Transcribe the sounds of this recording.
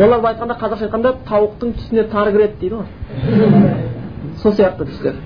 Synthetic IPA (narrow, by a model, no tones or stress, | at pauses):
wo̞lˠɑɾbɑɑjt̪̚qɑnd̪ɑqʰɑzɑɾʃɑjt̪qɑnd̪ɑt̪ʰɑwəqt̪əɴt̪ʰʏ̥sɪnet̪ʰɑɾɡʲɪɾe̞d̪ɪd̪ejd̪əʁoɾ | sosijɑqt̪ət̪ʰʏ̥st̪eɾ